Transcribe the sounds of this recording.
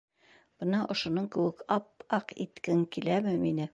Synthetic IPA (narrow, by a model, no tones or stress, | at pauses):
b̥ɤ̆nɑʔŏʃŏnoɴkɘ̆wɘkɑp̚ɑqḭt̪kɘŋkilæmɘminɘ